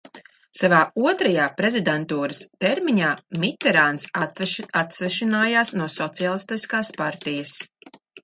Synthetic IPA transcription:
savaːuɔt̪ɾajaːpɾezid̪ɛnt̪uːɾɐst̪ɛɾmiɲaːmit̪ɛɾaːnsaat̪svɛʃinaːjaːsnuɔsɔt̪sijalˠist̪iskaːspaɾt̪ijɐs

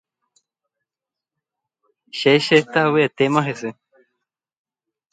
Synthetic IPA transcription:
ʃeɕet̪aweet̪emãɦese

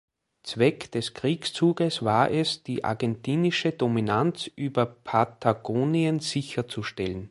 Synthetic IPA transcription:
t͡svɛkd̥ɛskʁ̥iːkst͡suːɡəsvaːɐʔɛsd̥iːʔa̰ɐɡɛntiːnɪʃədominant͡sʔyːbɐpʰatʰaɡ̥oːniənz̥ɪçɐt͡suʃtɛlən

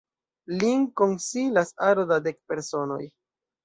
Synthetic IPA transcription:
liŋko̞nsilasaɾodade̞k̚pe̞ɾso̞no̞̰j

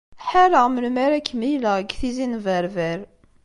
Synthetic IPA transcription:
ħaɾəʁməlmæɾækːmijləɡθizinvæɾvæɾ

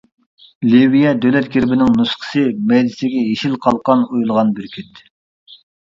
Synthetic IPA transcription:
livijɛd̪ølɛt̪̚ɡʲeɾbɪnɪŋnusqʰə̥sɨmɛjd̪ɪsɪɡʲɛɦeʃilqʰɑlˠqɑnujulˠʁɑnbyɾkʲʰyt̪

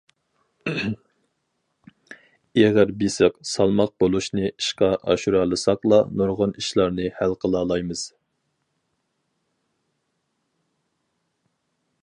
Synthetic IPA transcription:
eʁæɾbesɨqsɑlˠmɑq̚bolˠuʃnɨiʃqɑʔɑ̰ʃuɾɑːlˠɨsɑqlˠɑnoɾʁʊniʃlˠɑɾnɨhælqʰəlˠɑːlˠɑjmɨz̥

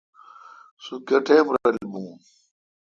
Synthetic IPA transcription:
sukɐʈʰeːmɾɐɐlbũ

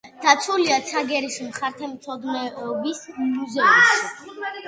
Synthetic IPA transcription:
d̪̥at̪sʰuliat̪sʰaɡɛɾismχaɾt̪ʰɛmt̪sʰɔd̪nɛɔbismuzɛumʃ

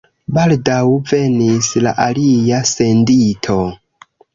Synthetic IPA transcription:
baldawve̞nisla̰ʔalijase̞nditʰo̞

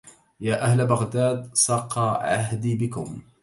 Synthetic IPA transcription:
jaːʔahlabaɣd̪aːd̪sˤɑːqːɑʕaɦd̪iːbɪkʊ̰m

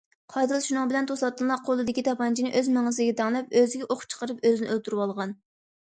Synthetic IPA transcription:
qʰɑjd̪ɨlˠʃunɨŋbɪlɛnt̪ʰosɑt̪ːɨnlˠɑqʰːolˠɨd̪ɪkʲit̪ʰɑpɑnt͡ʃʰinɪʔøzmɪŋɨzɪɡʲɛt̪ʰɑŋlˠɛp̚øzɪɡʲɛʔoχt͡ʃʰə̥qəɾɨpøzɪnɪʔølt̪ʰuɾuwɑlˠʁɑn

